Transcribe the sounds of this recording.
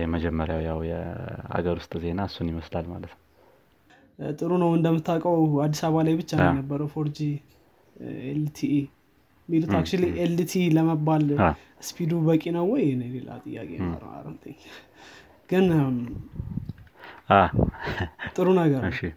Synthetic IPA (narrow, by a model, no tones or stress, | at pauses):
jɛməd͡ʒɛmːəɾjawjawjɛ̰a̰ɡəɾwʊst̪ʼze̞nasːunjɪməslalma̰lət̪nəw | t̪ʼɨɾunəwɨnd̪əmːɨt̪ʰːakʼəwad̪ːisaβalajbɨt͡ʃːanəbːəɾəwfo̞ɾd͡ʒi | elt̪ʰiʔ | mːilut̪ak̚t͡ʃuliʔelt̪ʰiləməbːal | spʰid̪ubəkʼinəwːɔjɛnejlela̰t̪ʼɨjːa̰kʼeə̰ɾa̰ɾə̰t̪ʰʼɨɲː | ɡ̥ɨn | a | t̪ʼɨɾunəɡəɾɨʃi